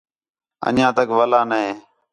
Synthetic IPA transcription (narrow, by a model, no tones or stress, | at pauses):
ə̰njãːt̪əkʋəlaːnəɦeː